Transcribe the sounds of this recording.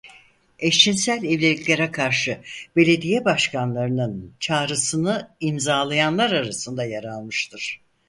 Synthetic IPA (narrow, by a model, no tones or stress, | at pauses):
ɛʃt͡ʃʰinsælʲɛvlʲelʲicʲlʲeɾɛkʰaɾʃɯb̥e̞lʲe̞d̪ijɛbaʃkʰanlˠaɾɯnɯnt͡ʃʰaːɾɯsɯnɯimzaːlˠajanlˠaɾaɾasɯnd̪ajaɾalˠmɯʃt̪ʰɯɾ̥